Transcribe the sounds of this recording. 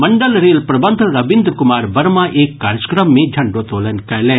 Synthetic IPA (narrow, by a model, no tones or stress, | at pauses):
mɐɳɖəlɾeːlpɾɐbɐnd̪ʱɾɐʋɪ̃nd̪ɾkʊmaːɾbɐɾmãʔeːkːaːɾd͡ʒə̥kɾəmːẽd͡ʒʱɐɳɖoːt̪oːlɐnkɐjlɛː